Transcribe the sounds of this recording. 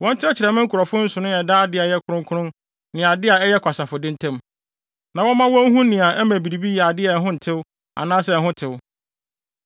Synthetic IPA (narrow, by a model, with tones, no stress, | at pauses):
wɔ̃˦ɲ˦t͡ɕʰɪ˦ɾɛ˦t͡ɕʰɪ˨ɾɛ˨mɪ̃˦ŋ̩˦kʰʊ˨ɾɔ˨fʊ˦n̩˦sʊ˨nʊ̃˦ɛ˨daː˦dɪ˦a˨jɛ˦kʰʊ˦ɾʊ̃˦ŋkʰʊ˦ɾʊ̃˦n | nɪ̃˨a˨dɪ˦a˨ɛ˦jɛ˦kʷʰa˨sa˨fʊ˨dɪ̃˦ntʰɛ̃˦m | nã˨wɔ̃˦mã˦wɔ̃˦n˦ɦũ˦nɪ̃˨a˨ʔɛ˦mæ̃˨bi˨ɾi˨bi˦jɛ˨a˨dɪ˦ɛ˨ɦʊ̃˦n̩˨tʰɪ˦w | a̰˨nãː˦sɛ˦˨ɦʊ̃˦tʰɪ˨w